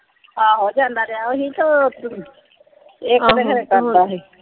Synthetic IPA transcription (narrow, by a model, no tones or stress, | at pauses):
aːɦoːd͡ʒãːnd̪aɾɛaoɦit̪o | eːk̪eɦɾeːkəɾt̪aːɦe